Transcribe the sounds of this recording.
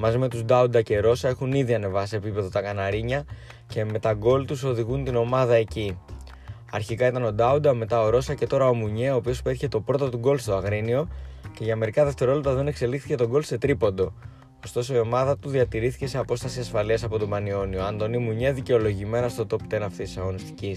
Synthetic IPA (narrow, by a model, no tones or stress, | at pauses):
mɐzime̞t̪uzd̪ɐud̪ɐce̞ɾo̞sɐe̞xuniðiɐne̞vɐseːpipe̞ðot̪ɐkɐnɐɾiɲɐ | ce̞me̞t̪ɐɡo̞lt̪uso̞ðiɣunt̪ino̞mɐðɐe̞ci | ɐɾçikɐit̪ɐno̞d̪ɐud̪ɐme̞t̪ɐo̞ɾo̞sɐce̞t̪o̞ɾɐo̞muɲe̞o̞ːpio̞speɾçe̞t̪o̞pɾo̞t̪ot̪uɡo̞lst̪oɐɣɾinio̞ce̞ʝɐme̞ɾikɐðe̞ft̪e̞ɾoolept̪ɐðe̞ne̞kse̞lixθi̥ce̞t̪o̞ɡo̞lse̞t̪ɾipo̞nd̪o̞ | ost̪o̞soio̞mɐðɐt̪uðiɐt̪iɾiθi̥ce̞se̞ɐpo̞st̪ɐsiɐsfɐliɐsɐpo̞t̪o̞bɐnio̞nio̞ɐnd̪o̞nimuɲeðice̞o̞lo̞ʝime̞nɐst̪o̞t̪o̞pt̪e̞nɐft̪it̪isɐɣo̞nist̪icis